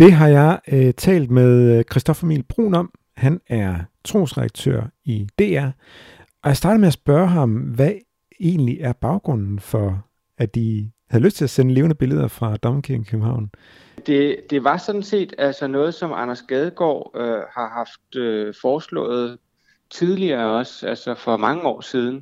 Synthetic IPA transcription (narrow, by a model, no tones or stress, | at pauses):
d̥e̝ɦɑ̈jɑ̈ɪt͡sʰɛ̰ːld̥meðˠkʰʁisd̥ɒ̽fɐmḭːlb̥ʁo̝̰ːnɒ̽m | hænæɐt͡sʰʁo̝̰ːsʁɛdɑ̈ɡ̥̚t͡sʰø̰ɐ̰id̥e̝̰ːæɐ̰ | ɒjɑ̈ɪsd̥ɑ̈ːdð̩ˠmeæsb̥ɶɐɦɑ̈mʋæ | e̝ːnliʔæɐb̥ɑ̈ʊɡ̥ʁɔ̽n̰n̩fɒ̽ | æ̥ihæðˠløsd̥t͡sʰe̝læsenəle̝ːʊnəb̥e̝ləð̞ˠɐfʁɑ̈d̥ɒmkʰikʰøb̥m̩hɑ̈ʊ̰n | d̥e̝d̥e̝ʋɑ̈sɒ̽d̥n̩se̝̰ːd̥ælsɒnɔ̽ːð̩ˠsɒ̽mɑnɐsɡ̥ɛð̞ˠɡ̥ɒ̰ːøhɑ̈hɑ̈fd̥øfɒːslɔ̰̽ːð̩ˠ | t͡sʰið̞ˠliɐːɒ̽sælsɒfɒ̽mɑ̈ŋəɒ̰ːsiːð̞ˠn̩